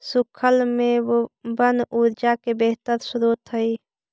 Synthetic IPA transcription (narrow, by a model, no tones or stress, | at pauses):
sʊkʰəlmẽbənuːɾd͡ʒakebeɦt̪əɾsʊɾuːt̪ɦəi